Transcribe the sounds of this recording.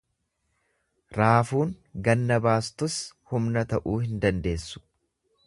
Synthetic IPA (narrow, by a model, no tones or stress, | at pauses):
ɾaːfuːŋ | ɡɐnːɐbaːst̪ʊshʊmnɐt̪ɐʔuːhɪnd̪ɐnd̪e̞ːsːʊ̥